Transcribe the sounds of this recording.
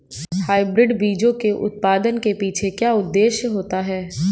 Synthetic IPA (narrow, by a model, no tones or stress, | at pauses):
haːɪbɾɪɖbiːd͡ʒõkeʔʊ̰t̪̚paːd̪ənkepiːt͡ʃʰekjaːʊd̪ːeːʃjəɦoːt̪aɦɛː